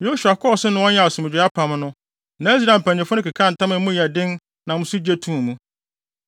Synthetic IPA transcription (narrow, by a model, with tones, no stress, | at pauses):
jo˦ɕu˨a˨kʰɔ˦˨sɪ˦nʊ̃˦wɔ̃˦ɲã˦˨sʊ̃˨mɪ̃˨d͡ʑᶣa˦pʰã˨m˦nʊ̃˦ | nã˦s̬i˦ɾã˨m̩˨pʰæ̃˨ɲ˨ɪ̃˨fʊ˦nʊ̃˦ka˨kʰã˦˨n̩˨tã˦mɪ̃˦mʊ̃˦jɛ˨dɪ̃˦n | nã˨mʊ̃˦sʊ˦d͡ʑæ˦tʰũː˦˨mũ˦